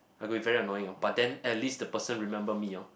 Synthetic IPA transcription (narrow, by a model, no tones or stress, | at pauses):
aɪɡɔbivɛɹiənɔjɪ̃ŋab̥at̚dɛ̃nɛtlistdəpəsə̃nɹimɛ̃mbəmia